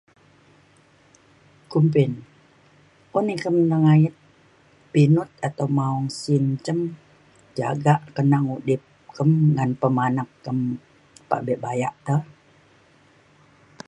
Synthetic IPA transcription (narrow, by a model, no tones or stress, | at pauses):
kumpɪn | unikəmnəŋajət̪̚ | pinʊt̪̚at̪awmaɔŋsint͡ʃəm | d͡ʒa̰ɡaʔkənaŋudɪp̚kəmŋanpəmanakːəm | pa̰ʔbɛʔbajaʔt̪əh